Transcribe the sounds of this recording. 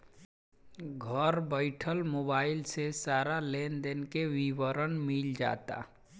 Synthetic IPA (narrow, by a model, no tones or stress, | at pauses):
ɡʱəɾbəɪʈʰəlmoːbaːɪlsesaːɾaleːnd̪enkeʋiwəɾənmild͡ʒa̰ːt̪a̰ː